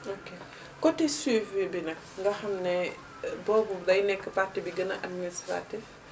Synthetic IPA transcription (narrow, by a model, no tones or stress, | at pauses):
oke | kɔtisiːfebinɐk | ŋɡɐxɐmnɛ | bɔːbudɐjnɛkːəfatːibiɡɐnɐʔad̚ministɾa̰ːtif